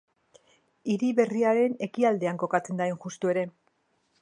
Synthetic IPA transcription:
iɾiβe̞riaɾe̞ne̞kiald̪e̞aŋko̞kat͡se̞nd̪aeŋxust̪ue̞ɾe̞

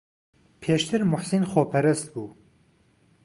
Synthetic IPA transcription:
pʰeːʃt̪ʰɨɾmʊħsinxoːpʰɛɾɨst̪̚buː

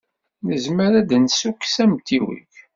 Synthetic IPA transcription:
nəzməɾæd̪nsukːsæmt̪iwḭç

